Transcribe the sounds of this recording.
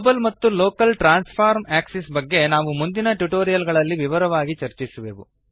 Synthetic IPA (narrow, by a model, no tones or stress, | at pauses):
bɐlmɐt̪ːulo̞ːkɐlʈɾaːnspʰaːɾmaːksisbɐɡːe̞naːʋumund̪inɐʈuʈoːɾijɐlɡɐɭɐlːiʋiʋɐɾɐʋaːɡit͡ʃɐɾt͡ʃisɐʋḛːʋṵ